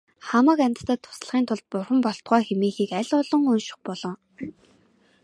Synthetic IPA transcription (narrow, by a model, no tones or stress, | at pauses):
χamə̆ːkamʲt̪ə̥t̪aːt̪ʰʊ̥sɮχiːnt̪ʰʊɮt̪̚pʊrχə̆mpɔɬt̪ɢœːxemiːxiːkæɮʊːɮɞ̆ŋɵnʃɪ̥̆χpɔɮɞ̆ŋ